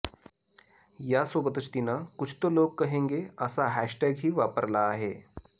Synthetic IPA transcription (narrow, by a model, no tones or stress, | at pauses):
jasobət̪ut͡ʃt̪inakʊt͡ʃʰt̪oloːɡ̚kɐɦẽːŋɡeɐsaɦæːʃʈɛːɡɦiʋaːpəɾlaɦeː